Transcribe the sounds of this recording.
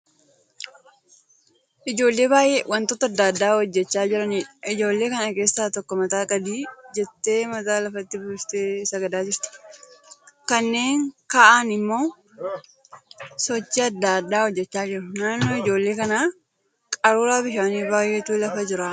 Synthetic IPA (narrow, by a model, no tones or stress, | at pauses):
ʔɪd͡ʒo̞ːlːe̞ːbaːjʔewɐnt̪ɔt̪ːɐɐd̪ːaːd̪ːaːhɔd͡ʒːɛt͡ʃːaːd͡ʒɪɾɐniːᶑɐ̥ʔɪd͡ʒo̞ːlːe̞ːkɐnɐke̞ːsːaːt̪ɔkːɔmɐt̪aːkʼɐd̪iːd͡ʒɛt̪ːe̞ːmɐt̪aːlɐfɐt̪ːɪbʊst̪eːsɐɡɐd̪aːd͡ʒɪɾt̪ʊ̥ | kɐnːe̞ːŋkaʔaːnɪmːo̞ː | sɔt͡ʃːɪɐd̪ːaːd̪ːaːhɔd͡ʒːɛt͡ʃːaːd͡ʒɪɾɐnaːnːo̞ːɪd͡ʒo̞ːlːe̞ːkɐnaː | kʼɐɾuːɾaːbɪʃaːniːbaːjʔet̪uːlɐfɐd͡ʒɪɾaː